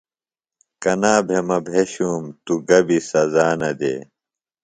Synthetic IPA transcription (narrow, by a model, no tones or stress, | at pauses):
kɐnaːbʱemɐbʱeːɕuːmt̪uɡɐbisɐzaːnɐd̪ḛː